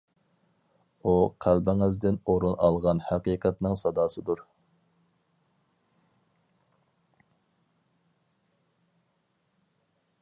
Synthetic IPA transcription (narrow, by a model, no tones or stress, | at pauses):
uqʰælbɪŋɪzd̪ɪnoɾunɑ̰lˠʁɑnhæqiːqʰæt̪nɪŋsɑd̪ɑːsɨd̪uɾ